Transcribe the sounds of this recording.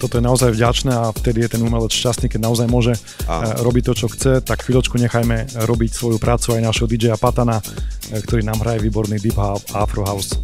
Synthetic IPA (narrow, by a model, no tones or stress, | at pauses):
t̪ɔt̪ɔjɛnaɔzajvɟat͡ʃnɛaft̪ɛd̪ijɛt̪ɛnumɛlɛt͡sʃcast̪niːkɛɟnaɔzajmʊɔʒɛ | ɾɔbic̚t̪ɔt͡ʃɔxt͡sɛt̪akxːʋilɔt͡ʃkuɲɛxajmɛɾɔbicsʋɔjupɾʔaːt͡suajnaʒɦɔd̪id͡ʒɛjapat̪anakt̪ɔɾiːnaːmɦɾajɛʋiːbɔɾniːd̪ibɦaafɾɔɦaʊs